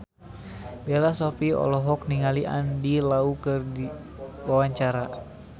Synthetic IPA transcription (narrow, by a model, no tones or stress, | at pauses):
belasɔfiɔ̰lɔɦɔk̚niŋaliʔa̰ndilaukɨrdi | wawaɲt͡ʃaɾa